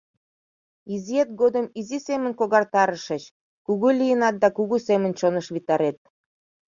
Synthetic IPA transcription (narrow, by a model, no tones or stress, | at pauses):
iziet̪̚ɡod̪əmizisemə̆nkoɣɑrt̪ɑɾəʃə̆t͡ɕ | kuɣulʲijənɑt̪̚d̪ɑkuɣusemənt͡ɕonəʃβit̪ɑɾet̪̚